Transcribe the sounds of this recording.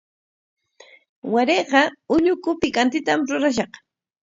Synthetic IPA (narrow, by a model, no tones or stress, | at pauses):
waɾeqɑʊɲʊkʊpɪkant̪ɪt̪amɾʊɾaʃ̬ɑq